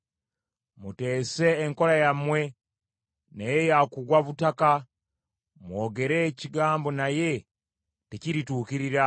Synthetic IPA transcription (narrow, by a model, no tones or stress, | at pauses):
mute̞ːse̞ːŋko̞ɾajamwe̞ | nejejakuɡwaβutaka | mwo̞ːɡe̞ɾe̞ːciɡaːmbo̞naje̞ | teciɾituːkiɾiɾa